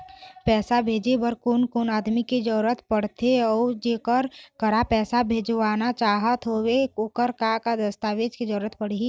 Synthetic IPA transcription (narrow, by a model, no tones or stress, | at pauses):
pɛːsabʱeːd͡ʒebəɾkoːnkoːnaːd̪miked͡ʒəɾuɾət̪pəɽt̪eɔːd͡ʒeːkəɾkəɾapɛːsabʱeːd͡ʒʋaːnat͡ʃaːɦət̪ɦoːweokəɾkakad̪əst̪aːʋeːd͡ʒked͡ʒəɾuɾət̪pəɽiɦi